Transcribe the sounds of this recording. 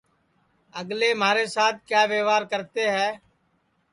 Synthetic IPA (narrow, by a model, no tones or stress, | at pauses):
əɡleːmaːɾeːsaːt̪̚ʰkjaːʋeːʋaːɾkəɾt̪eːɦɛː